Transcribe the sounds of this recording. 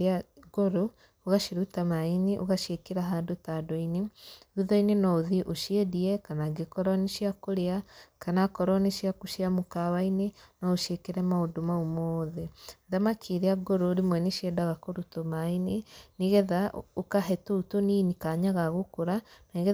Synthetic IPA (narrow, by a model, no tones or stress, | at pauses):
aɡoɾo | oɣaʃiɾutamainiʔo̰ɣaʃekeɾaɦaːndotadɔineuðɔinenɔðiʔoʃeðiɛkanaɡekɔɾɔneʃiakoɾeakanakɔɾɔneʃjakuʃiamokawainenɔoʃekeɾɛmaodomaomoðeðamakʰiɾeaɡoɾoɾimwɛneʃiɛdaɣakoɾutomaineniɣɛðaʔokaɦɛtoutoninikaɲaɣaɣokoɾanaiɣɛ